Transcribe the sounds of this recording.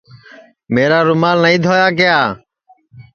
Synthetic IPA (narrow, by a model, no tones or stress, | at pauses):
meːɾaːɾʊmaːlnəĩːd̪ʱoːjaːkɪjaː